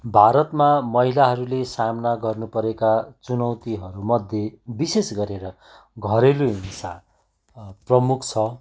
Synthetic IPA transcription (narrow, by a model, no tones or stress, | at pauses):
bʱaɾʌt̪mamʌɦilaɦʌɾulesamnaɡʌrnupʌɾekat͡sunʌwt̪iɦʌɾumʌd̪ʱjebisesɡʌɾeɾʌ | ɡʱʌɾeloinsa | prʌmukʰt͡sʰʌ